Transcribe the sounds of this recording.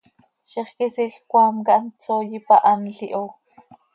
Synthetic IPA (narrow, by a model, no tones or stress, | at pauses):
ʃiχkisiɬkʷaːmkɑʔnt͡soːjipaʔɑnɬiʔo